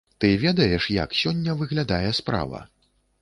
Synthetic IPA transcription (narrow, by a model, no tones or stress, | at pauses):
t̪ɨvʲɛd̪ɐjɛʂja̰ksʲɔnʲːɐvɨɣlʲad̪ajɛspɾa̰vɐ̰